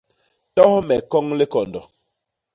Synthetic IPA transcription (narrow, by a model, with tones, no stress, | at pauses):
tɔ˦hmɛ˨kɔ˦ŋle˦kɔ˨ndɔ˨